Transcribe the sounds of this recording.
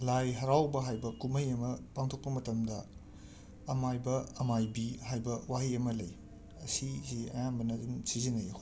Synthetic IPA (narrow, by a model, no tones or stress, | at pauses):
lajɦɐɾawbɐɦajbɐkumɐjɐmɐpaŋtʰok̚pɐmɐtɐmdɐː | majbɐɐmajbiɦajbɐwaɦiɐmɐlɐj | ɐsiziɐ̰jambɐnɐdumsizinɐj